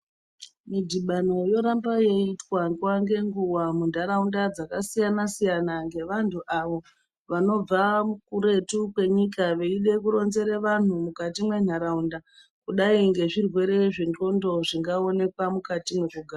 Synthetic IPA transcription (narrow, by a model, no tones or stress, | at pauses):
midiɓanojo̞ɾambajeitwaŋɡwaŋɡe̞ŋɡuwamun̤aɾaundad͡zakasijanasijanaŋɡe̞ʋantʰuʔaʋo̞ | ʋano̞b͡vamukuɾe̞tukwe̞ɲikaʋe̞iɗe̞kuɾo̞nze̞ɾeʋan̤umukatimwe̞n̤aɾaunda | kuɗaiŋɡe̞ʐirwe̞ɾe̞ʐiŋɡo̞ndo̞ʐiŋɡao̞ne̞kwamukatimweʐoɡʱaːr